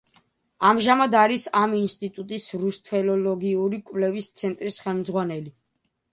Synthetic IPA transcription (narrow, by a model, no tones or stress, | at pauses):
amʒamad̪aɾisaminst̪ʼit̪ʼut̪ʼisɾust̪ʰvɛlɔlɔɡiuɾikʼvlɛvist̪sʰɛnt̪ʼɾisχɛlˠmd̪zʁwanɛli